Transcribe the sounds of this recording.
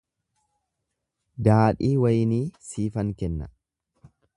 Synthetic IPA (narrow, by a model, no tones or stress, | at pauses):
d̪aːᶑiːwɐjniːsiːfɐŋkɛnːɐ̰